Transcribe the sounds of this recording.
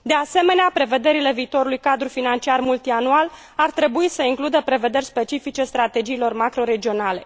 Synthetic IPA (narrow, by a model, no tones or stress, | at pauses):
d̪e̞ase̞me̞neapɾe̞ve̞d̪e̞ɾile̞viːt̪o̞ɾulujkad̪ɾufinant͡ʃiarmult̪ianual | art̪ɾe̞buisəiŋklud̪əpɾe̞ve̞d̪e̞rʲspet͡ʃifit͡ʃe̞st̪ɾat̪e̞d͡ʒiːlo̞rmakɾo̞ɾe̞d͡ʒio̞nale̞